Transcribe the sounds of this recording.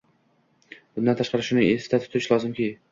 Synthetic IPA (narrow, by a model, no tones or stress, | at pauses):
b̥ʊnd̪ant̪ʰaʃqɑɾɪʃʊnɪesft̪ʰat̪ʰʊt̪ʰɪʃlˠɒzɪmkʲi